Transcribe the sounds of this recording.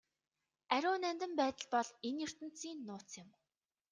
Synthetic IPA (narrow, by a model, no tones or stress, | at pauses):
æɾʲʊːnænt̪ə̆mpæːt̪ə̆ɮpɔɮenjɵr̥t̪ɘ̆n̥t͡siːnːʊːt͡sjɪ̆m